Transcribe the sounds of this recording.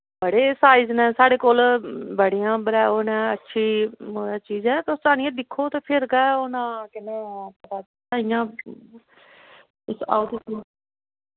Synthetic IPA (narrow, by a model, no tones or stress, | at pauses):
bəɽeːsaːiznɛ̃ːsaːɽeːkoːlbəɽijãːbəɾɛːoːnɛ̃ːətːʃʰiːoːaːt͡ʃiːzɛːt̪osaːñɪjãːd̪ɪkʰːoːt̪eːpʰɪɾɡɛːoːnãːkɪnẽːpət̪aː | taːɪjãː | ʊsa̰ːt̪it̪oː